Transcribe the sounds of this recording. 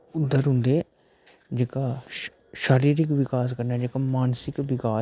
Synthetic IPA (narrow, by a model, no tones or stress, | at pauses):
ʊd̪ːəɾɦʊ̃nd̪eː | d͡ʒeːkaː | ʃaːɾiːɾɪkʋɪkaːs̬kəɾnaːd͡ʒeːkaːmaːnsɪkʋɪkaː